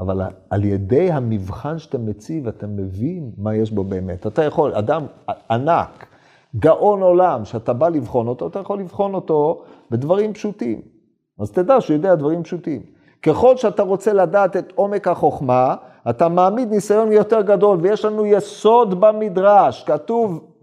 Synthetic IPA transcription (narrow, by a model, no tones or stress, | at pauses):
a̰va̰la̰ljede̞jɦamivχanʃe̥t̪amet͡sivat̪amevinmajeʃbo̞beːme̞̰tat̪ajaχo̞la̰d̪amana̰k | ɡaʔo̞no̞lamʃeatabalivχo̞no̞t̪o̞at̪ajaχo̞lːivχo̞no̞t̪o̞bed̪vaʁimpʃutḭm | azt̪ed̪aʃujod̪ead̪vaʁimpʃutim | keχo̞lʃeat̪aʁo̞t͡se̞ladaːt̪e̞t̪o̞me̞khaχo̞χma | at̪amaːmid̪nisajo̞njot̪eʁɡado̞lvejeʃlanujeso̞d̪bamid̪ʁaʃkatuv